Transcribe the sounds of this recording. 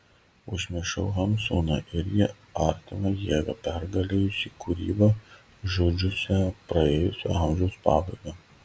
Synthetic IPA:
ʊʒʲmʲɪʃɐʊɦɐmsuːnɑʔɪɾjɪ | ɐɾʲt̪ʲɪnɐjiɛɡɐpʲɛɾɡɐlʲeːjʊsʲiːkʊɾʲḭːbɐ | ʒoːd͡ʒʲʊsʲɛpɾɐeːjʊsʲo̰ːɐˑmʲʒʲɛʊspɑːbɐɪɡɐ

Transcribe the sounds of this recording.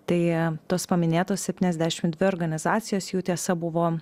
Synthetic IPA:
t̪ɐɪt̪oːspɐmʲɪnʲeːt̪oːssʲɛpʲt̪ʲiːnʲɛzʲd̪ʲæːʃʲɪmd̪ʲʋʲɪoːɾɡɐnʲɪzɑːt̪sʲɪjoːsjuːt̪ʲiɛsɐbʊʋoː

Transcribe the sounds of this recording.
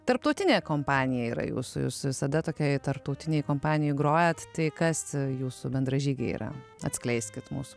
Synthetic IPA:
t̪ɐɾp̚t̪oʊt̪ʲɪnʲeːkoːmpɑːnʲɪjɛiːɾɐ̰jṵːsʊjṵːsʋʲɪsɐd̪ɐt̪oːkʲɛːɪt̪ɐɾp̚t̪ɐʊt̪ʲɪnʲeɛjɪkoːmpɑːnʲɪjoɪɡɾoːjɛt̪t̪ɐɪkɐsjuːsʊbʲɛnd̪ɾɐʒʲiːɡʲɛ̰ḭɾɐ̰ɐ̰t̪ʲsklʲɛɪsʲkʲɪt̪mṵːsʊ̥

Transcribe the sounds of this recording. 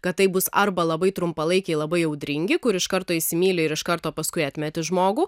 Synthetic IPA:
kɐt̪̚t̪ɐɪbʊsɐɾbɐlˠɐbɐɪt̪ɾʊmpɐlˠɐɪkʲɛɪlˠɐbɐɪɛʊd̪ʲɾʲɪŋʲɡʲɪkʊɾɪʃkɐɾt̪oːɪʃʲsʲɪmʲiːlʲɪɪɾɪʃkɐɾt̪oːpɐskʊɪɐːt̪ʲmʲɛt̪ʲɪʒmoːɡuː

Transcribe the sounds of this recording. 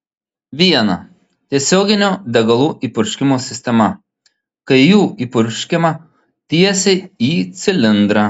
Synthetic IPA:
ʋʲiɛnɐ | t̪ʲiɛsʲoːɡʲɪnʲod̪ʲɛɡɐlˠuːʔiːpʊɾʲʃʲkʲɪmoːsʲɪsʲt̪ʲɛmɐ | kɐɪjuːiːpʊɾʲʃʲkʲɪmɐ | t̪ʲiɛsʲɛiːt̪sʲɪlʲɪnd̪ɾɐ

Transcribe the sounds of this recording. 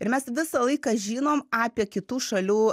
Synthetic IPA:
ɪɾmʲɛsʋʲɪsɐlˠɐɪkɐʒʲiːnoːmɑːpʲiɛkʲɪt̪uːʃɐlʲuː

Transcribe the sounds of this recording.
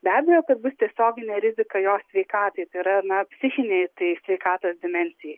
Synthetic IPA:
bʲæːbʲɛjoːkɐt̪̚bʊst̪ʲiɛsʲoːɡʲɪnʲeːɾʲɪzʲɪkɐjoːsʲʋʲɛɪkɑːt̪ɐɪt̪ɐɪɪɾɐnɐpʲsʲɪxʲɪnʲeɪt̪ɐɪsʲʋʲɛɪkɑːt̪oːsd̪ʲɪmʲɛnʲsʲɪjɛɪ

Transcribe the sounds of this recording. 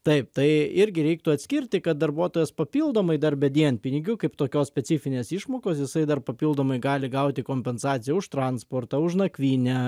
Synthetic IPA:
t̪ɐɪp̚t̪ɐɪɪɾʲɡʲɪɾʲɛɪk̚t̪ʊɐt̪ʲsʲkʲɪrʲt̪ʲɪkɐt̪̚d̪ɐɾbuɔt̪oːjɛspɐpʲiːlˠd̪oːmɐɪd̪ɐrbʲɛd̪ʲiɛnpʲɪnʲɪɡʲʊkɐɪpt̪oːkʲoːsʲpʲɛt͡s̪ʲɪfʲɪnʲeːsɪʃmoːkoːsjɪsɐɪd̪ɐrpɐpʲiːlˠd̪oːmɐɪɡɑːlʲɪɡɐʊt̪ʲɪkoːmʲpʲɛnsɑːt̪t͡ssʲɪjɛʊʃt̪ɾɑnspoːrt̪ɑːʊʃnɐkʋʲiːnʲɛ

